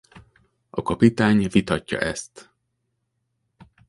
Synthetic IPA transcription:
ɒkɒpit̪aːɲvit̪ɒcːɒ̰ʔɛst̪

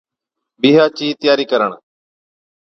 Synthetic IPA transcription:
biːɦaːt͡ʃiːt̪ɪjaːɾiːkəɾəɳ

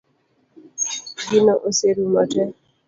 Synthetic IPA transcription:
ɡɪnɔʔoseɾumatɛ

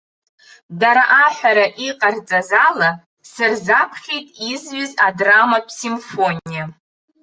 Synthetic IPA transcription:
daɾaʔaħʷᶣaɾaʔiqʼart͡sʼazala | sɨrzapʰχʲejtʼizɥʏzadramapʰsimfo̞nija

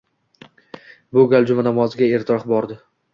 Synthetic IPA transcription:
bʊɡʲalˠd͡ʒʊmanɒmɒzɪɡʲae̞ɾt̪ʰɪɾɒχbɒɾd̪ɪ

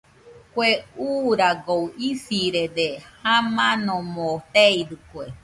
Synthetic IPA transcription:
kweuːɾaɡowifiɾed̪ehãmãnõmot̪eiɾɨkwe

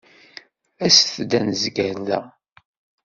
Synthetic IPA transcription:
æsθd̪ænzɡæɾðæ̰

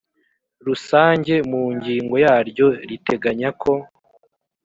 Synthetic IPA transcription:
ɾusaːɲɟe̞muːɲɟiːŋɡo̞jaːɾɟo̞ɾite̞ɡaɲakʰo̞

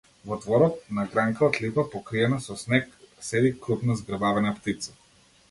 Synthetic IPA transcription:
vɔd̪vɔɾɔt̪̚naɡɾaŋkaɔt̪lipapɔkɾiɛnasɔsnɛksɛd̪ikɾupnazɡrbavɛnapt̪it̪sḁ

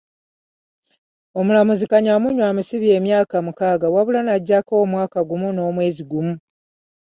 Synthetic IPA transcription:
o̞mulamuzikaɲamuɲwaːmisiβie̞ːmjaːkamukaːɡawaβulanaɟːakoːmwaːkaɡumuno̞ːmwe̞ːziɡumu

